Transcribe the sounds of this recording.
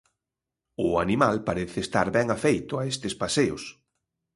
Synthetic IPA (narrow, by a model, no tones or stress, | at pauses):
ʊanimalpaɾeθɪːst̪a̰ɾβɛŋafejt̪ʊaest̪ɪspaseʊs